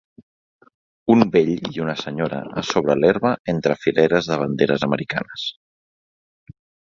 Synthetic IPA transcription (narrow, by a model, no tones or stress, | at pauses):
umbeʎiunəsəɲoɾə̰asoβ̞ɾəleɾβəent̪ɾəfileɾəzðəβ̞ənd̪eɾəzəməɾika̰nəs